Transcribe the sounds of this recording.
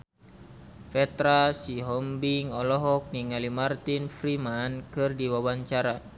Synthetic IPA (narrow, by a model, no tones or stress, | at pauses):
fɛt̪ɾasiɦɔmbiŋɔlɔɦɔk̚niŋalimart̪infɾimankɨrdiwawaɲt͡ʃaɾa